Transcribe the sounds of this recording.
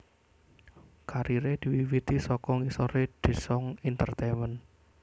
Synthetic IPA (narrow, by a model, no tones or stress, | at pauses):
kaɾiɾed̪̥i̤wiwit̪isɔkɔŋisɔɾed̪̥e̤sɔŋint̪ərt̪emən